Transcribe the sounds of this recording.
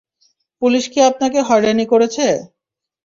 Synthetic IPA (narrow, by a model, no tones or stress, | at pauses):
puliʃkiap̚nakeɦɔjɾanikoɾet͡ɕʰe